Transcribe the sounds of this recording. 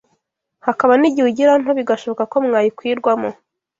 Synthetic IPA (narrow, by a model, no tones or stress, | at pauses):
hakaβaniɟiwuɟiɾan̥oβiɡaʃo̞βo̞kako̞mŋaːjikwiːɾɡwamo